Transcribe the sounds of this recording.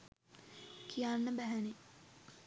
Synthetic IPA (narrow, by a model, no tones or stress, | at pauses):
kʰijanːəbæɦæne